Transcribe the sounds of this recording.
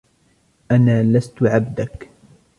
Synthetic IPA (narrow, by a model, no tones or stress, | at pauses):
ʔanaːlast̪ʊʕabd̪ak